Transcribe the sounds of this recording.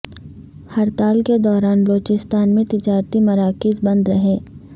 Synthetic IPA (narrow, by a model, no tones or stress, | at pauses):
hɐɾt̪aːlked̪ɔːɾaːnbəloːt͡ʃɪst̪aːnmẽt̪ɪd͡ʒaːɾt̪imɐɾaːkɪzbɐ̃nd̪ɾɐɦeː